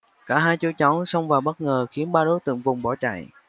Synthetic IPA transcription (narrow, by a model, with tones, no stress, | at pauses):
kaː˧˩ɦaː˧jt͡ɕu˧˦t͡ɕɔ˨˦wsə˧wŋ͡mvaː˨˩wɓə˦˥t̚ŋəː˨˩xi˨˦ənɓaː˧ɗo˨˦jt̪ɨ̰˧˨əŋvʊ˨˩ŋ͡mɓɔ˧˩t͡ɕa̰ː˧˨j